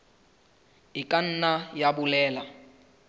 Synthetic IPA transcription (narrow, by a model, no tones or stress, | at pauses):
ɪkʼan̩najabʊlɛːla